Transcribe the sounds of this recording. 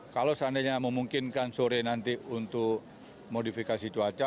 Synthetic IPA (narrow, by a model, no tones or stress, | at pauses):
kalosandaɲaməmuŋkɪnkansoɾenant̪iunt̪ʊk | modifikasid͡ʒuat͡ʃa